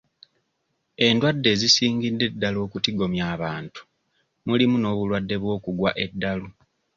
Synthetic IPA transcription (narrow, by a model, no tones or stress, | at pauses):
e̞ndwadːe̞ːzisiːŋɡidːe̞dːalo̞ːkutiɡo̞mjaːβaːntu̥ | mulimuno̞ːβulwadːe̞βwo̞ːkuɡwaʔe̞dːalu